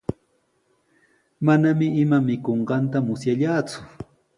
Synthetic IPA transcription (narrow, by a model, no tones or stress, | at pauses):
manamɪɪmamɪkoɴɢɑnt̪amʊsjaʎaːt͡sʊ̥